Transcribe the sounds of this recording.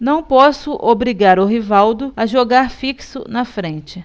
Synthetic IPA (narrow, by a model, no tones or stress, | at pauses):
nɐ̃w̃pɔsʊʔobɾiɡaɾʊɦivawd̪ʊaʒoɡaɾfiksʊ̰nɐfɾẽt͡ʃɪ